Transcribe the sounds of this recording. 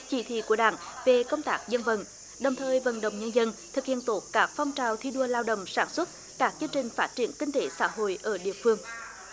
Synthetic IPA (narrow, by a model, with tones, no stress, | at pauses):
t͡ɕi˧˦t̪ʰḭ˧˨ku˧˩əɗaː˧˩ŋve˨˩kə˧wŋ͡mt̪aː˦˥k̚zə˧nvə̰˧˩˨n | ɗə˨˩wŋ͡mt̪ʰəː˨˩jvə̰˧˨nɗə̰˧˨wŋ͡mɲə˧nzə˧nt̪ʰɨ˨˩k̚hḭ˧˨ənt̪o˦˥t̚kaː˦˥k̚fɔ˧wŋ͡mt͡ɕaː˨˩wt̪ʰi˧ɗu˧˩əlaː˧wɗə̰˧˨wŋ͡msaː˧˩nswə˦˥t̚ | kaː˦˥k̚t͡ɕɨ˧əŋt͡ɕï˨˩ŋ̟faː˦˥t̚t͡ɕi˧˩ənkï˧ŋ̟t̪e˧˦sa̰ː˧˥ɦo̰˧˨jʔəː˧˩ɗḭ˧˨əfɨ˧əŋ